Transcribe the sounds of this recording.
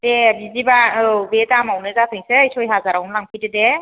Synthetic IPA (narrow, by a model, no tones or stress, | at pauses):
debizibaɯbedamawnɯzasʰɯŋseːjsʰɔjɦazaɾawnlaŋpʰɯjdede